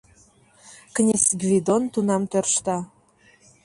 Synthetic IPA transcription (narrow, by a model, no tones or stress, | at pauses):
knʲesʲɡvʲid̪ont̪unɑmt̪ørʃt̪ɑ